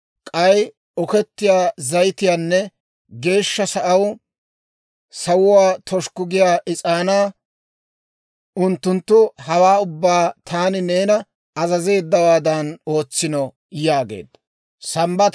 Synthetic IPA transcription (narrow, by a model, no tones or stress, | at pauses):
kʼɐj | ɔkɛt̪ːɪjaːzɐjt̪ɪjaːnːɛ | ɡe̞ːʃːɐsɐʔɐw | sɐwʊwaːt̪ʰɔʃkʊɡɪjaːʔɪt͡sʼaːnaː | ʊnt̪ːʊnt̪ːʊhɐwaːʊbːaːt̪ʰaːnɪneːnɐ | ɐzɐze̞ːd̪ːɐwaːd̪ɐno̞ːt͡sːɪnɔ | jaːɡḛːd̪ːɐ | sɐmbɐ